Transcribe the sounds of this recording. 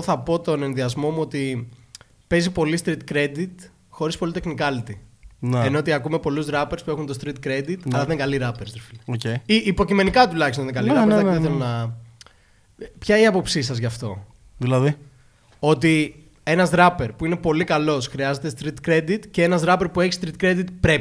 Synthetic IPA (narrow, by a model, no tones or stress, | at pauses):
oθɐpo̞t̪o̞ne̞nðiɐzmo̞muo̞t̪i | pe̞zipo̞list̪ɾit̪kɾe̞d̪it̪ | xo̞ɾispo̞lit̪exnikɐlit̪inenoot̪iɐkume̞po̞luzðɾɐpeɾspue̞xunt̪ost̪ɾit̪kɾe̞d̪it̪ɐlɐðeŋkɐliɾɐpeɾsd̪eɾfiloceiʔːpo̞cime̞nikɐt̪ulɐçist̪onðkɐliɾɐɾɐiθelonɐ | pçɐiiɐpo̞psisɐzʝɐft̪o̞̰ | ðilɐði | o̞t̪i | e̞nɐzðɾɐpeɾpuine̞po̞likɐlo̞sxɾiɐze̞t̪est̪ɾit̪kɾe̞d̪it̪ce̞enɐzðɾɐpe̞ɾpue̞çist̪ɾit̪kɾe̞d̪it̪pɾe̞